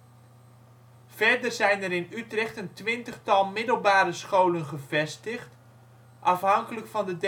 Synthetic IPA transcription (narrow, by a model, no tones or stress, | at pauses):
vɛɹdərzɛjnɛɾɪnytrɛχtəntʋɪntəχtɑlˠmɪdəlˠbaːɾəsχowlənχəvɛstəχt | ʔɑfɦɑŋkələkfɑndəd